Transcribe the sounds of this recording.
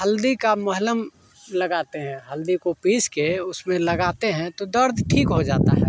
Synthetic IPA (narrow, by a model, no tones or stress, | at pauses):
ɦəld̪ikamʊɦləm | ləɡaːt̪eɦɛ̃ɦɐld̪ikopiːskeʊsmẽlɐɡaːt̪eɦɛ̃t̪od̪əɾd̪ʱʈʰiːkɦod͡ʒaːt̪a̰ɦɛ̰ː